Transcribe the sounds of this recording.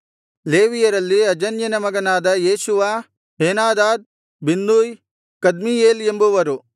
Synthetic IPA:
leːʋijɐɾɐlːiɐd͡ʒɐnjɐnɐmɐɡɐnaːd̪ɐjeːʃuʋa | ɦeːnaːd̪aːd̪̚ | binːd̪uːj | kɐd̪mijeːlembuʋɐɾu

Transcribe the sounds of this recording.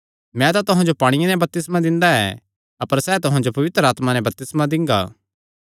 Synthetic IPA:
mɛ̃t̪at̪ʊɦãd͡ʒopaːɽ̃ɪjẽnɛ̃bɐp̚t̪ɪsmãd̪ɪ̃nd̪aɛ̰ | ɐpəɾsɛːt̪ʊɦãd͡ʒopɐʋɪt̪ɾəaːt̪manɛ̃bɐp̚t̪ɪsmad̪ɪ̃ŋɡa̰ː

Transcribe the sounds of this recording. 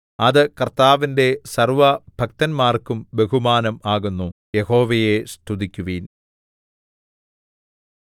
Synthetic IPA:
ɐðɨkɐrt̪aːʋinde̞sɐrʋɐb̥ʱɐk̚t̪ɐnmaːrkumbe̞ɦumaːnɐmaːɣunːujeho̞ːʋɐjest̪ʰud̪ikʲːuʋiːn

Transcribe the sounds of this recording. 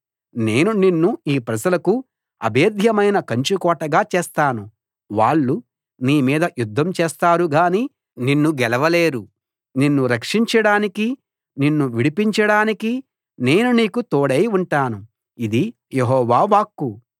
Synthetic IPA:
neːnuninːuiːpɾɐd͡ʒɐlɐku | ɐ̰bʱe̞ːd̪ʱjɐmɐjnɐkɐɲt͡ʃukɔːʈɐɡaːt͡ʃeːst̪aːnu | ʋaːɭːu | niːmiːd̪ɐjud̪ʱːɐmt͡ʃɛːst̪aːɾuɡaːni | ninːuɡɛlɐʋɐleːɾu | ninːuɾɐkʂiɲt͡ʃɐɽaːniki | ninːuʋiɽipiɲt͡ʃɐɽaːniki | ne̞ːnuniːkut̪oːɽɐjuɳʈaːnu | id̪i | jeɦɔːʋaːʋaːkːu

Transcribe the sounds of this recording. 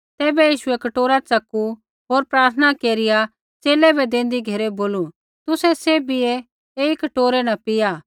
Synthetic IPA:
t̪ɛːbɛjiːʃʊɛkɐʈoːɾat͡sɐku | ɦoːɾpɾaːɾt̪ʰənakeːɾɪja | t͡ʃeːlɛbɛd̪ẽːn̆d̪iɡʱeɾɛboːlu | t̪ʊsɛsebɪe | eːikɐʈoːɾɛnɐ̃pɪjaː

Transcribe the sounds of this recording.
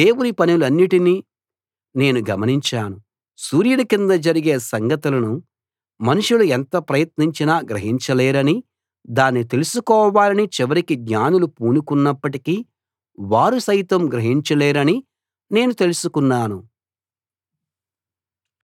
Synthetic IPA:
d̪e̞ːwunipɐniluɐnːiʈini | ne̞ːnuɡɐmɐniɲt͡ʃaːnu | suːɾjɐlɐkind̪ɐd͡ʒɐɾiɡe̞ːsɐŋɡɐt̪ulɐnu | mɐnuʂuluɛnt̪ɐpɾɐjɐt̪niɲt͡ʃinaːɡɾɐɦiɲt͡ʃɐleːɾɐni | d̪aːnːit̪e̞lusukɔːʋaːlɐnit͡ʃiʋɐɾikiɡɲaːnulupuːnukunːɐpːɐʈiki | ʋaːɾusɐjt̪ɐmɡɾɐɦiɲt͡ʃɐleːɾɐni | ne̞ːnut̪e̞lusukunːaːnu

